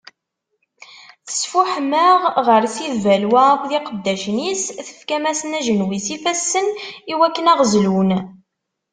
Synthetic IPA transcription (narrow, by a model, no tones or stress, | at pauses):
θə̥sfuħməʁʁəɾθiðvælwakðiqəd̪ːæʃnisθə̥fkæmæsənæʒənwisifæsːəniwækːənæʁəzlun